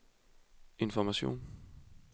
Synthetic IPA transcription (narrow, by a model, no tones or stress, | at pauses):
e̝nfɒmæɕo̝̰ːn